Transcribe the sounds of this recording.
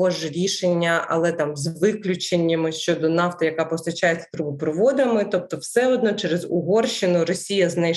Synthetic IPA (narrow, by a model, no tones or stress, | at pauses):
ɔʒɾʲiʃenʲːɐʔɐ̰lˠɛt̪ɑmzʋɪklʲʊt͡ʃenʲːɐmɪʃt͡ʃɔd̪ɔnɑft̪ɐjɐkɑpɔst̪ɐt͡ʃajeɐ̥t̪ɾubʊpɾɔʋɔd̪ɪmɪt̪ɔp̚t̪ɔwsɛɔd̪nɔt͡ʃɛɾezʊɦɔrʃɪnʊɾɔsʲijɐznɛj